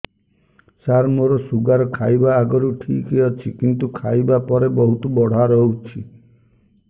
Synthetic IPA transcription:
saɾmoɾɔsuɡaɾɔkʰajbaːɡɔɾuʈʰikeɔt͡ʃʰikint̪ukʰajbapɔɾebɔɦut̪ubɔɽ̤aɾɔɦut͡ʃʰḭ

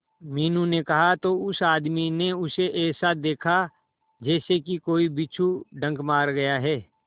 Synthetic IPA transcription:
miːnũnekɐɦat̪oʊsaːd̪mineʊseʔɛːsad̪eːkʰa | d͡ʒɛːsekikoːibit͡ʃʰuɖʱə̃ŋɡmaːɾɡɐjaɦɛː

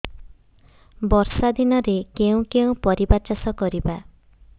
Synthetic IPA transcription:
bɔɾsad̪inɔɾekeũkeũpɔɾibat͡ʃasɔkɔɾiba

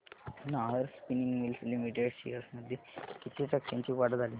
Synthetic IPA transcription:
naɦəɾspiniŋɡmilslimiʈeɽɕḭjəɾsməd̪ʱjekit̪ʰeʈəkɕãɲt͡ɕiːkaɽəd̪ʱaliː

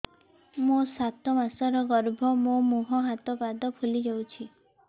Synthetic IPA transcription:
musat̪ɔmasɔɾɔɡɔɾbʱɔmõmuɦɔɦat̪ɔbad̪ɔpʰulid͡ʒɔwt͡ʃʰi

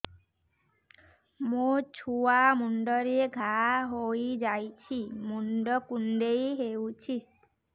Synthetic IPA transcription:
mũt͡ʃʰuamuɳɖɔɾeɡʱaɦojd͡ʒajt͡ʃʰimuɳɖɔkunɖejɦewt͡ʃʰi

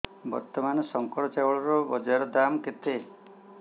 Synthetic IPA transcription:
bɔ̰ɾt̪ɔmanɔsɔŋkɔɽɔt͡ʃawɔɭɔɾɔbɔd͡ʒaɾɔd̪amket̪e

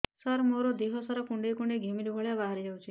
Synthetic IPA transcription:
saɾmoɾod̪eɦɔsaɾɔkuɳɖekuɳɖeɡʱimiɾubʱɔɭjabaɦaɾid͡ʒawt͡ʃʰi

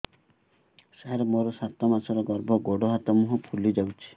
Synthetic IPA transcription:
saɾmoɾɔsat̪ɔmasɔɾɔɡɔɾbɔɡoɽɔɦat̪ɔmuɦɔpʰulid͡ʒawt͡ʃʰi̥

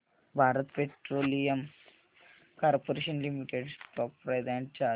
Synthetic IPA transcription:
bʱaːɾɐt̪peʈroːlijɐm | kɐɾpoɾeʃɐnlimiʈːeɖsʈoːk̚pɾɐjd̪aːɳʈt͡ʃaː

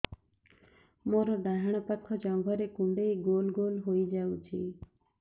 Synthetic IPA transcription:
moːɾɔɖaɦəɽ̃ɔpəkʰɔd͡ʒɔ̃ŋɡʱɔɾekũɳɖeiɡoːlɡoːlɦoid͡ʒaːut͡ʃʰḭː

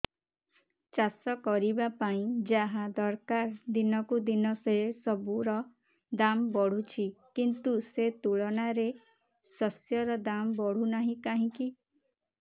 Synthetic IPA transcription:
t͡ʃasɔkɔɾibapaĩd͡ʒaɦad̪ɔɾkaɾd̪inɔkud̪inɔseesɔbuɾɔ | d̪ambɔɽ̤ut͡ʃʰikint̪uset̪uɭɔnaɾe | sɔsjɔɾɔd̪ambɔɽ̤unaɦĩkaɦĩki

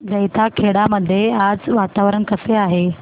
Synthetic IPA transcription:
d͡zəjt̪ʰakʰeɽaməd̪ʱːjead͡zʋat̪aʋɾəɳkəseaɦe

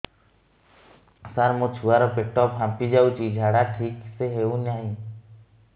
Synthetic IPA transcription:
səɾmot͡ʃʰuaɾopek̚ʈɔːpɦãmpid͡ʒaːut͡ʃiːd͡ʒʱaːɽaʈʰiːkseɦeːũnjaːɦĩ

